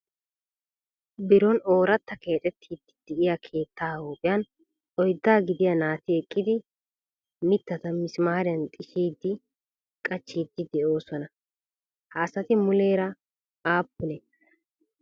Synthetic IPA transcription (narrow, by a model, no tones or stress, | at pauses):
bɪɾɔno̞ːɾɐt̪ːɐke̞ːt̪ʼɛt̪ʰːiːd̪ːɪ̥d̪̥ɛʔɪjakʰe̞ːt̪ːaːhoːpʼɪjɐn | ʔɔjd̪ːaːɡɪd̪ɪjɐnaːt̪ɪɛkʼːɪd̪ɪ | mɪt̪ːɐt̪ɐmɪsmaːɾɪjɐnt̪ʼɪʃiːd̪ːɪ | kʼɐt͡ʃːiːd̪ːɪd̪ɛʔo̞ːsɔnɐ | hɐːsɐt̪ɪmʊle̞ːɾɐ | aːpːʊne